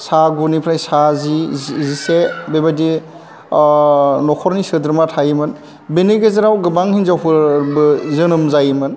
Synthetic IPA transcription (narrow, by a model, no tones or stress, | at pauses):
saɡunipʰɾajsazizisebebadi | nɔkʰɔɾnisɯdɾmatʰajmɯn | beneɡezaɾawɡɯbaŋhinzawpʰɯbɯzɯnɯmzajmɯn